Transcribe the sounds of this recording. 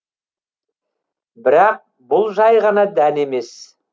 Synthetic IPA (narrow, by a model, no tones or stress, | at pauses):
bɪɾɑq̚ | bʊlˠʒɑjʁɑnɑd̪æne̞me̞s